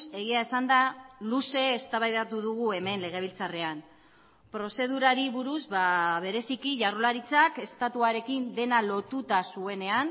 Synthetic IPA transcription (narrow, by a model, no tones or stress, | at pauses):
e̞ɣiaesand̪aluse̞ːst̪aβajðat̪uðuɣue̞me̞nle̞ɣ̞e̞β̞ilt͡sare̞an | pɾo̞se̞ð̞uɾaɾiβuɾuzβaβe̞ɾe̞sikiʝarolaɾit͡sake̞st̪at̪uaɾe̞kind̪e̞nalo̞t̪ut̪asue̞ne̞an